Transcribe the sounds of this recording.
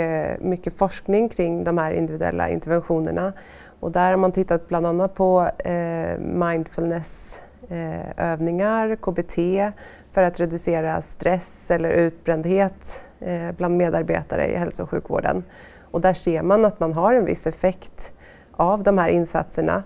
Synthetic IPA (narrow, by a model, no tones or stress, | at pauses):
mʏkːəfɔʂknɪŋkʰɾɪŋːd̪ɔmhæːɾɪ̰nd̪ɪvɪd̪ɵɛ̰lːa̰ɪ̰nt̪ɛɾvɛnɧuːnə̰ɳa | ɔd̪æɾhaɾmant̪ʰɪt̪ːat̪̚bland̪anːat̪̚pʰɔ | majnd̪fɵlnɛs | øːvnɪŋaɾkʰoːbɛt̪ʰeː | fœɾat̪ɾɛd̪ɵseːɾast̪ɾɛsɛlːəɾʔʉ̟ːt̪̚bɾɛnd̪heːt̪ | bland̪meːd̪aɾbḛːt̪aɾə̰ɪ̰ɦɛlsʊʊɧʉ̟ːkvo̰ːɖə̰n | ɔd̪æʂeːɾmanat̪manɦaɾɛnvɪ̰sːɛfɛkt̪ | avd̪ɔmhæːɾʔɪnsa̰t̪səɳa̰